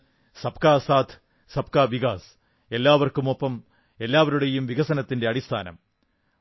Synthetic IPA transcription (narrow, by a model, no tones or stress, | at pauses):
sɐbkaːsaːt̪ʰ | sɐb̚kaːʋiɣaːs | e̞lːaːʋɐrkumopːɐm | e̞lːaːʋɐɾuɽejumʋiɣɐsɐnɐt̪ːinde̞ɐɽist̪ʰaːnɐ̰m